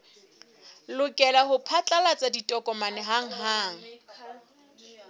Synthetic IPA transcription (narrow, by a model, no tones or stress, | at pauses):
lʊkʼɛlahʊpʰat͡ɬʼalat͡sʼaditʼɔkʼɔmanɛɦaŋ̩ɦaːŋ̩